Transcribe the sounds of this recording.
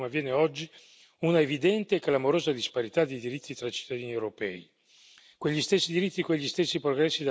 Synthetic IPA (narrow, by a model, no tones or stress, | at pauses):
mavːjɛːneɔd͡ʒːi | unaevid̪ɛnt̪eklamoɾoːzad̪ispaɾit̪ad̪ejd̪iɾit̪ːit̪ɾat͡ʃi̥t̪ːad̪iːniewɾopɛːi | kweʎːist̪esːid̪iɾit̪ːikweʎːist̪esːipɾoɡɾɛsːid̪a